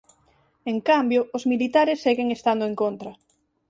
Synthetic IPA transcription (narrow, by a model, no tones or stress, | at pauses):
eŋkambjoʊzmilit̪aɾesːeɣeŋest̪and̪oeŋkont̪ɾɐ